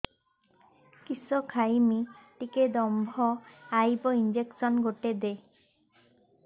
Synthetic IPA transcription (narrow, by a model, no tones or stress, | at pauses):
kisɔkʰajmiʈiked̪ɔmbʱɔajbɔind͡ʒeksɔnɡoʈed̪e